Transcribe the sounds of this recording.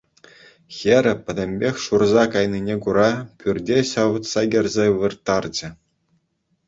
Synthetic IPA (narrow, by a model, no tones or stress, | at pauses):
xʲeɾʲɘ̆pʲɘ̆dʲɘ̆mʲbʲexʲʂurzɑkɑjnʲinʲekuɾɑpʲyrʲdʲeɕɑʋɤ̆t̪sɑɡʲĭrʲzʲeʋɯrt̪ːɑrd͡ʑɘ̆